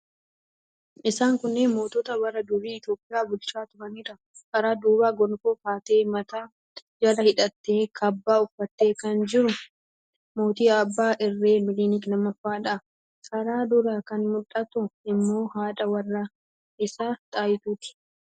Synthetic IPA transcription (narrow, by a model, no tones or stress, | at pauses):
ʔɪsaːŋkʊnːɛmo̞ːt̪ɔt̪ɐwɐrɐd̪ʊɾiːɪt̪jo̞ːpʼɪjaːbʊlt͡ʃaːt̪ʊɾɐniːɾɐ | kɐɾaːd̪uːbaːɡɔnkoːkaːt̪e̞ːmɐt̪aː | d͡ʒɐlɐhɪᶑɐt̪ːe̞ːkʰɐbːaːʊfːɐt̪ːe̞ːkɐnd͡ʒɪɾʊ | mo̞ːt̪iːɐbːaːʔɪrːe̞ːmɪliːnɪkʼlɐmɐfːaːᶑɐ | kʰɐɾaːd̪ʊɾaːkɐnmʊᶑɐt̪ʊɪmːo̞ːhaːᶑɐwɐrːɐ | ʔɪsaːt̪ʼaːjɪt̪uːt̪ɪ̥